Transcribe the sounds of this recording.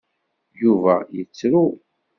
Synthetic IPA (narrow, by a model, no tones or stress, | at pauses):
juvæ̰jət͡sːɾu